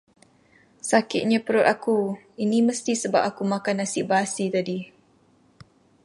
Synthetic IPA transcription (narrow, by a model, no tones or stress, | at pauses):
sakɪt̪̚ɲapəɾʊt̪aku | iniməst̪isəba̰p̚akumakanːasɪʔbasit̪adi